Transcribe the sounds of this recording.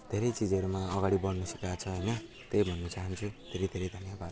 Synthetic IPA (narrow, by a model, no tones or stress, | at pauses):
d̪ʱeɾejt͡sid͡zʌɾumaʌɡaɽibʌɽnʌsʌkjat͡sʰʌɦojnʌ | t̪ejbʱʌnːʌt͡saɦʌnt͡sʰud̪ʱeɾejd̪ʱeɾejd̪ʱʌnjabad̪